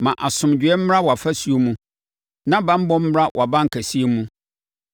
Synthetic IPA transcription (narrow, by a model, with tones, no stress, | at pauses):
mã˨ʔa˨sʊ̃˨md͡ʑᶣɥɛ˦m̩˦m˦a˦wɔ˨a˨fæ˦su˦o˦mũ˦ | nã˦bã˦m̩˦bɔ̃˦m̩˦m˦ɾa˦wʔa˨bã˦ŋ̩˨kʰæ˨si˦e˦mũ˦